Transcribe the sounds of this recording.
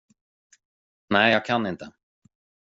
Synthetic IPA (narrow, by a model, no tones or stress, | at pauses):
nɛːjjakʰanːɪnt̪a